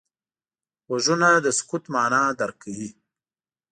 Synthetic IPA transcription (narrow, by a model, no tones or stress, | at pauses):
waʒunad̪əskut̪mɑːnad̪aɾkawi